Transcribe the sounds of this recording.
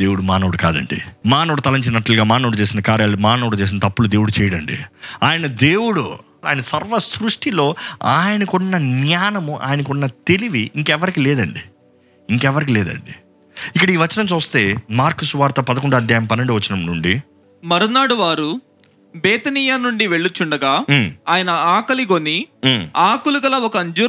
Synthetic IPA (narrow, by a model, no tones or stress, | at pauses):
d̪̥e̞ːwuɽumaːnɐʋuɽukaːd̪ɐ̰ɳɖḭmaːnɐʋuɽut̪ɐlɐɲt͡ʃinɐʈːɐlɡaːmaːnɐːɽut͡ʃeːsinɐkaːɾjaːlumaːnɐʋɽut͡ʃeːs̬inɐt̪ɐpːulud̪e̞ːwuɽut͡ʃɛːjɐɽɐɳɖḭaːjɐnɐd̪eːwuɽṵ | a̰ːjɐnɐsɐɾʋɐsɾuʂʈilo̞ːaːjɐnɐkuɳːɐnjaːnɐmuʔa̰ːjɐnɐkɔɳnːɐt̪e̞liʋiʔiŋkɛʋɐɾikilɛːd̪ɐɳɖi | iŋkɛʋɐɾikilɛːd̪ɐ̰ɳɖi | ikːɐɽɐiːʋɐt͡ʃːɐnɐmt͡ʃuːst̪e̞ːmaːɾkusuʋaːɾt̪ɐpɐd̪ɐk̬uɳɖɐːd̪jaːjɐmpɐnɐɳɖiʋɐt͡ʃːɐnɐmnuɳɖi | mɐɾunaːɽuʋaːɾu | beːt̪ɐniːjaːnuɳɖiʋe̞ɭːut͡ʃːuɳɖɐɡaːaːjɐnɐaːkɐliɡoniːaːkulukɐlɐɔkɐːɲd͡ʒuː